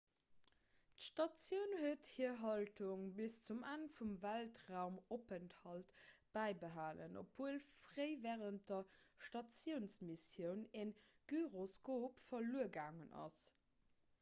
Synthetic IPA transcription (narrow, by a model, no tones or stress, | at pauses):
tʃtɑt͡sjəʊnhuəthiɐɦɑltuŋbist͡sumanfumvæltʁaʊmopənthɑltb̥æɪbəɦaːlə̰no̰pvuəlfʁəɪvɛːʁənt̚d̥ɐʃtɑt͡sjəʊnsmisjəʊneŋɡ̥yʁoskoːpfɐluəɡaːŋənɑ̰s